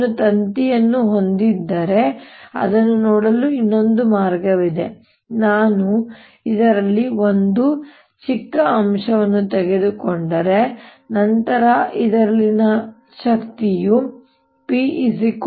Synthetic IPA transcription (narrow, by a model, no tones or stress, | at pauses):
ut̪ɐnt̪ijɐnːuɦo̞nd̪id̪ːɐɾe̞ɐ̰d̪ɐnːunoːɽɐluinːo̞nd̪umaːɾɡɐʋid̪e̞̰ | naːnu | id̪ɐɾɐlːiʋo̞nd̪u | t͡ʃikːɐːmʂɐʋɐnːut̪ɛɡe̞d̪ukoɳɖɐɾe̞nɐnt̪ɐɾɐid̪ɐɾɐlːinɐ | ʃɐkt̪iju | piʔisik